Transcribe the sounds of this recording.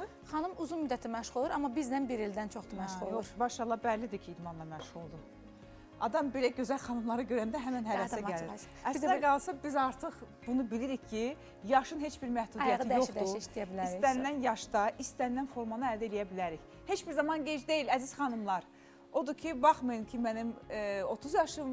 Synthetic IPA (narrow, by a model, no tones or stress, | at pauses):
χɑnumuzunmyd̪ːæt̪ʰimæʃʁolˠuɾɑmːɑbizd̪ænbiɾeld̪ænt͡ʃʰoχd̪umæʃolˠuɾbɑʃɑlˠːɑbælːid̪icʰiːd̪mɑnlˠɑmæʃʁulˠd̪u | ɑd̪ɑmbe̞læɟø̞zælxɑnɯmlˠɑɾɯɟø̞ɾænd̪æɦæmænɦævæsæɟæliɾ | æsiæɡɑlˠsɑbizɑɾt̪ʰɯχ | b̥unubiliɾiçcʰi | jɑʃɯnɦe̞t͡ʃbiɾmæhd̪ud̪ijɑt̪ʰijoχd̪uʃt̪ijæbiliɾst̪ænːænjɑʃd̪ɑʔist̪ænːænfo̞ɾmɑnɯæld̪æelijæbilæɾiç | he̞t͡ʃbiɾzɑmɑnɟe̞d͡ʒd̪e̞jilæziz̥χɑnɯmlˠɑɾ | o̞d̪ucʰibɑχmɯjɯmcʰimænimo̞t̪ʰuzjɑʃɯm